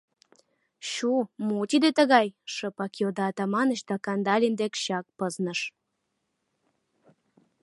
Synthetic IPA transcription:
ɕumot̪id̪et̪əɣɑjʃəpɑkijod̪ɑːt̪ɑmɑnəɕt̪ɑkɑnd̪ɑlʲemd̪ekɕɑk̚pəznəʃ

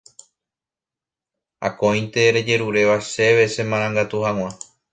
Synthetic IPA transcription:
a̰kõj̃nt̪e̞ɾe̞d͡ʒe̞ɾuɾe̞ʋaʃe̞ʋe̞sẽ̞mãɾ̃ãŋɡat̪uhãw̃ʷã

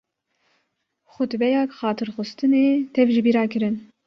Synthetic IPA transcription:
xʊt̪bɛjɑːkxɑːt̪ʰɨɾxʊst̪ɨneːt̪ʰɛvʒɪbiːɾɑːkɨɾɨn

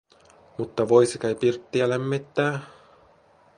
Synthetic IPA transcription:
mut̪ːɑʋojsikæjpirt̪ːiælemːet̪ːæː

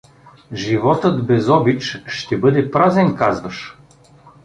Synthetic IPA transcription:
ʒivɔt̪ɤt̪bɛzɔbit͡ʃʃt̪ɛbɤd̪ɛpɾazɛnkazvəʃ

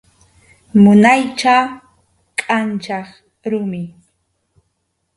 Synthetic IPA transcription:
mʊnajt͡ʃa | kʼant͡ʃɑχ | ɾʊmɪ

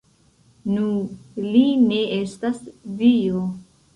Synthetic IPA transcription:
nuline̞estasvio

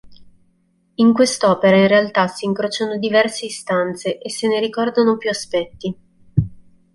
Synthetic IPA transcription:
iŋkwest̪ɔːpeɾainrealt̪asiːŋkɾoːt͡ʃanod̪ivɛrseːst̪ant̪seʔesːeneɾikɔrd̪anopjuaspɛt̪ːi

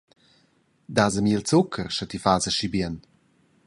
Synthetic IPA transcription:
d̪aːzəmiːlt͡sukʰəɾʃat̪ifaːzəʃibiən

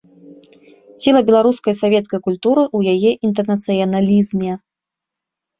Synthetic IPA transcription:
sʲilˠɐbʲɛlˠaɾuskɐjsavʲɛt̪skɐjkulʲt̪uɾɨʔujajɛʔint̪̬ɛrnɐt̪sɨjɐnalʲizmʲɛ

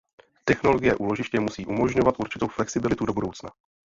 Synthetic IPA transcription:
t̪ɛxno̞lo̞ɡɪjɛʔuːlo̞ʒɪʃcɛmusiːʔumo̞ʒɲo̞vat̪ʔuɾt͡ʃɪt̪owflɛksɪbɪlɪt̪udo̞budo̞wt͡sna

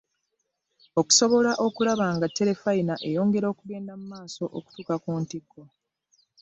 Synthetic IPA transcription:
oku̥so̞βo̞laʔo̞kulaβaːŋɡatːe̞ɾe̞fainaʔe̞jo̞ːŋɡe̞ɾo̞ːkuɡe̞ːndamumaːso̞ʔo̰ku̥tuːkakuːntikːo̞

